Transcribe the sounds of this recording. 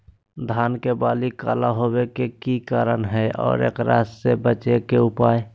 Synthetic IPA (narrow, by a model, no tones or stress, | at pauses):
d̪ʱaːnkebaːlika̰ːlaɦowekekikaːɾənɦɛɔ̰ːɾḛːkɾa̰ːsːebət͡ʃekeʊpaːj